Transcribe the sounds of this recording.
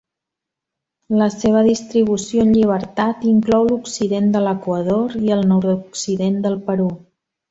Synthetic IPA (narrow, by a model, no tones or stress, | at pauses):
ləseβ̞əðist̪ɾiβ̞usjoənʎiβ̞əɾt̪at̪iŋklɔwluksiðend̪ələkwəðoɾiəlˠnɔɾd̪uksiðend̪əlˠpəɾu